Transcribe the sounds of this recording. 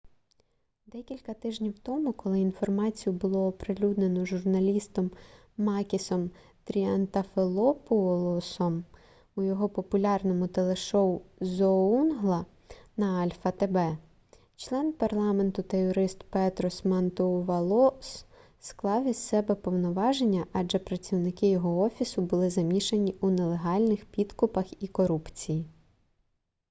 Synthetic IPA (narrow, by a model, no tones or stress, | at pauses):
d̪ɛkʲilʲkɐt̪ɪʒnʲiwt̪ɔmʊkɔlˠɪinfɔrmɑt͡sʲijʊbʊlˠɔːpɾɪlʲud̪ne̞nɔʒʊrnɐlʲist̪ɔmː | ɑkʲisɔm | t̪ɾʲiɐnt̪ɐfelˠɔpʊlˠɔsɔm | ʊjɔɦɔpɔpʊlʲɑrnɔmʊt̪elˠeʃɔʊzɔunɦlˠɐ | nɐɐlʲfɐt̪ebɛ | t͡ʃlˠɛnpɐrlˠɑment̪ʊt̪ɐjɔɾɪst̪pɛt̪ɾɔsmɐnt̪ɔʋɐlˠɔs | sklˠɑwissɛbɛpɔwnɔʋɑʒenʲːɐʔɐd͡ʒɛpɾɐt͡sʲiwnɪkɪjɔɦɔɔfʲisʊbʊlˠɪzɐmʲiʃenʲiunelˠe̞ɦɑlʲnɪxpʲid̪kʊpɐxikɔɾupt͡sʲiji